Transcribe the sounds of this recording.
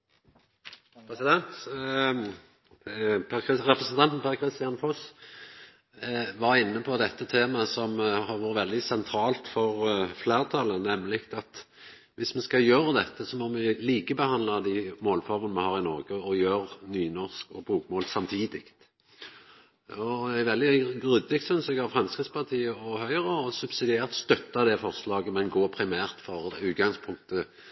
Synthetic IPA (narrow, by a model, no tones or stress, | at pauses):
pʰɾɛsɪd̪ɛnt̪ | pʁɛpɾəsənt̪ʰɑnt̪n̩pʰæʁkʰɾɪst̪ɪɑnfos | ʋɑɾʁɪnːəpʰɔd̪ɛt̪ːət̪ʰeːmɑsɔmhɑʁʋuːɾət̪ʋɛld̪ɪsɛnt̪ʰɾɑːlt̪fɔʁfleːʁt̪ʰɑlənːɛmlɪkt̪ɑt̪ | ʋɪsmɛskɑjøːɾəd̪ɛt̪ːəsɔmɔmɪliːkəbəhɑnd̪lɑd̪ɪmoːlfɔɾmənəmɛhɑːʁɪnɔʁɡəɔjøːɾnyːnɔʁskɔbuːkmoːlsɑmt̪ʰiːd̪ɪkt̪ | ɔæʋɛld̪ɪɡʁʏd̪ɪk̚t̪sʏnsɛɡɑʋfʁɑmskɪt̪spʰɑʁt̪ʰiːəɔhœʏʁəɔsʉbsɪd̪ɪeːʁt̪st̪œt̪ːɑd̪ɛfɔʁslɑːɡəmɛnɡoːpʰɾɪmæːʁt̪fɔʁd̪ɛʉːt̪̚ɡɑŋspʰʊŋk̚t̪ə